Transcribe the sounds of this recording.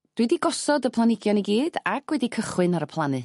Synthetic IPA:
d̥widiɡɔsɔdəpʰlˠanɪɡjɔniɡiːd̥aɡʰwɛdikʰəχwɨnaɾəpʰlˠanɨ

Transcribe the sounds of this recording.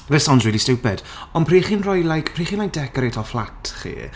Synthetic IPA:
vɛsawnsriːlistɪwpɛd̥ | ɔnpʰriːχiːnrɔjlajkpʰriːχiːnlajk̚d̥ɛkɔɾejtʰɔflˠatʰχḭː

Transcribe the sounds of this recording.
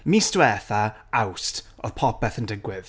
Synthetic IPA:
miːstwɛːθa | awst | ɔ̰ð̥pʰɔpɛθəndɪɡwɪð̥

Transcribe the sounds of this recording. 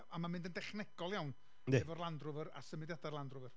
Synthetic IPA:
amamɪ̃ndəndɛχnɛɡ̥ɔlˠjawn | neɛvɔrlˠandrʊvəɾa̰səmɪdjadarlˠandrʊvər

